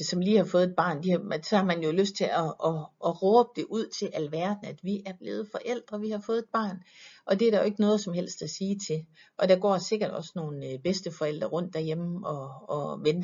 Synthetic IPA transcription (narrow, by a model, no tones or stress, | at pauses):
sɒ̽mliːhɑ̈fɔ̽ːðˠed̥̚b̥ɑ̰̈ːnd̥ihmsɒhɑ̈mænjo̝løsd̥̚t͡sʰe̝lɒː | ʁɔːb̥̚d̥e̝ʔuð̞̰ˠt͡sʰe̝lʔælʋæɐd̥n̩æd̥ʋiʔæɐb̥le̝ːð̞̩ˠfɒ̽ʔel̰d̥ʁɐʋihɑ̈fɔ̽ːð̞ˠe̝d̥b̥ɑ̰̈ːnʔɒ̽d̥e̝ɐɾ̥ɑoe̝ɡ̥ənɔ̽ːð̞ˠsɒ̽mhel̰sd̥æsiːt͡sʰe̝ | ʔɒ̽d̥ɑ̈ɡ̥ɒ̰ːse̝ɡ̥ɐd̥ɒ̽sno̝ːn̩b̥esd̥əfɒ̽el̰d̥ʁɐʁɔ̽n̰d̥ːæɐjem̩ɒ̽ːʋen̥